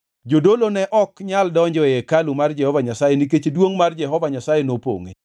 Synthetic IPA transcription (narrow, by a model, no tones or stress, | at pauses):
d͡ʒodolonɛʔɔkɲaldɔɲd͡ʒɔjɛkalumard͡ʒɛhɔvaɲasajenik̬et͡ʃedwoŋmard͡ʒɛɦɔvaɲasajenopo̰ŋḛ